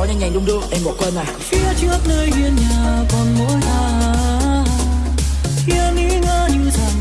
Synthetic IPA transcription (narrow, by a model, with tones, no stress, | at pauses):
ɔ˨˦ɲa˧˩ŋɲa˨˩ŋɗʊ˨˧˦ŋ͡mɗɨ˧˦ʔɛ˧mɓɔ̰˧˨˦kwe˧naː˨˩fi˧˥ət͡ɕɨ˦˥ək̚nəː˧jzi˧ənɲaː˨˩kɔ˨˩nmo˧˦jzaː˧aː˨˧˩ | xi˧əŋi˧˥ŋaː˧ɲɨ˧sa˧˩